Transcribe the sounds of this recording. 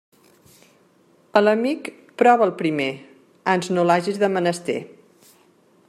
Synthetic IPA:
ələmik | pɾɔβəlˠpɾime | anznolaʒizðəmənəst̪ḛ

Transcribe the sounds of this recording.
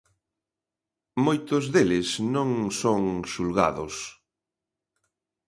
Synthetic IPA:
mojt̪ʊzðelɪsnõŋsoŋʃulɣa̰ðʊs

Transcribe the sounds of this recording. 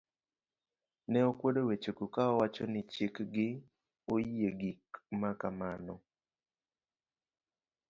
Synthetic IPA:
nɛokwodowet͡ʃokukaɔwat͡ʃonɪt͡ʃikɡɪ | oeɡikmakamanɔ

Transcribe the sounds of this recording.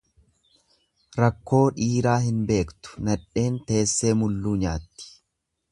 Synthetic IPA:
ɾɐkːo̞ːᶑiːɾaːɦɪnbe̞ːkt̪ʊ̥nɐᶑe̞ːnt̪e̞ːsːe̞ːmʊlːuːɲaːt̪ːɪ̥

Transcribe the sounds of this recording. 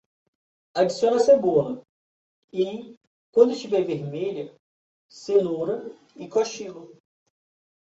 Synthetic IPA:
ad͡ʒisiõnɐseboɐɐ | ĩ | kwɐ̃nd̪ʊɪʃt͡ʃivɛveɾmeʎɐ | senuɾɐ | ikɔʃiɡʊ

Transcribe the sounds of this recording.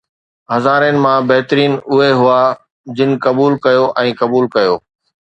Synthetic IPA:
ɦɐzaːɾənɪ̆mãbɐɦɪt̪ɾiːnʊɦeɦʊa | d͡ʑɪnɪ̆kɐbuːlkɐjoʔɛ̃ːkɐbuːlkɐjoː

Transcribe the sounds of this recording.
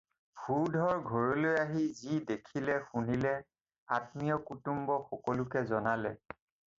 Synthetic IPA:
bʱuɹdʱɔɹɡʱɔɹɔlojaɦizidekʰilɛxunilɛ | atmijɔkutumbɔxɔkɔlʊkɛzɔnalɛ̰

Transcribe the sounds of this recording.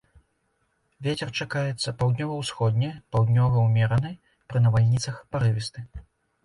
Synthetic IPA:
vʲet͡sʲɛrt͡ʂakajɛt̪sːɐpawd̪nʲɔvɐwsxɔd̪̚ʲnʲɛpawd̪nʲɔvɐwmʲɛɾɐnɨj | pɾɨnɐvalʲnʲit̪sɐxpaɾɨvʲist̪ɨ

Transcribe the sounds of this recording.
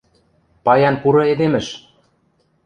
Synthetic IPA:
pɑjɑnpuɾɤ̆ed̪emɘ̆ʃ

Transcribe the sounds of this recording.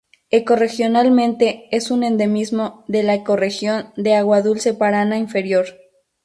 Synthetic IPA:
eko̞re̞xjo̞nalmẽ̞nt̪e̞esunẽ̞nd̪e̞mizmo̞ðe̞laeko̞re̞xjo̞nd̪e̞aɣwaðulse̞paɾanaiɱfe̞ɾjo̞ɾ

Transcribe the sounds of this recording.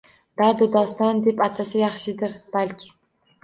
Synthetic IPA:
d̪̥aɾd̪ɪd̪ɒst̪ɒnd̪e̞pat̪ʰasɪjɑχʃɪd̪ɪɾb̥alʲkʲʰɪ̥

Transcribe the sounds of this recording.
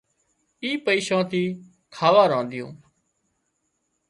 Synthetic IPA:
iːpəiːʃãːt̪iː | kʰaːʋaːɾãːnd̪ɪjõ̰ː

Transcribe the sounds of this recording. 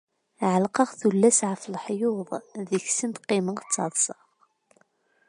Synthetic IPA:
ʕəlqəʁθulːæsʕəflħjʊðˤðiçsənt̪qːɪməŋt͡sːɑðˤsə̥ʁ

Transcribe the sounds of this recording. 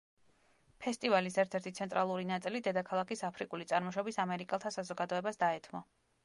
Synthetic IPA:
pʰɛst̪ʼivalisɛɾt̪ʰɛɾt̪ʰit̪sʰɛnt̪ʼɾʔalˠuɾinat̪sʼilid̪ɛd̪akʰalˠakisapʰɾikʼulit̪sʼaɾmɔʃɔbisamɛɾikʼɛlˠt̪ʰasazɔɡad̪ɔɛbasd̪aɛt̪ʰmɔ

